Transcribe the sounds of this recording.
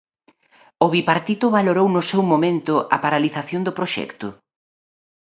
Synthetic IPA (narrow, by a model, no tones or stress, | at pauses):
ʊβipaɾt̪it̪ʊβaloɾownʊsewmomẽnt̪ʊʔɐ̰paɾaliθaθjond̪ʊpɾoʃɛ̰kt̪ʊ